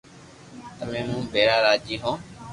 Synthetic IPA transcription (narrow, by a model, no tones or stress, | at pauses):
t̪əmẽːmũːbʱeːɾaːɾaːd͡ʒiːɦõː